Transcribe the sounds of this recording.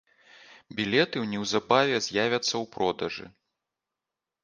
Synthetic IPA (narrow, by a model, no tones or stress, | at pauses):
bʲilʲɛt̪ɨwnʲɛwzabavʲɛzʲjavʲɐt̪sːɐwpɾɔd̪ɐʐɨ̰